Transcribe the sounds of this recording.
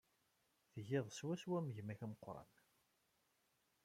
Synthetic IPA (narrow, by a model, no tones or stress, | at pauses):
θəʝɪðˤswæswæməʝmæçæmqːɾˤɑ̰n